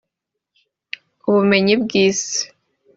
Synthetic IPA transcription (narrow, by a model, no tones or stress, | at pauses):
uβume̞ɲibɡiːse̥